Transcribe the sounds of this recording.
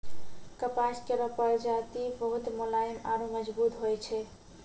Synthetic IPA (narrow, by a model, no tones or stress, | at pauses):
kəpaskeɾəpəɾd͡ʒat̪ibəɦut̪molajəmaɾoməd͡ʒbut̪ɦojt͡ʃʰɛ